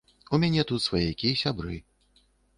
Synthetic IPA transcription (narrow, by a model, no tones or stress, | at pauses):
umʲanʲɛt̪ut̪svajɛjakʲijɛsʲabɾɨ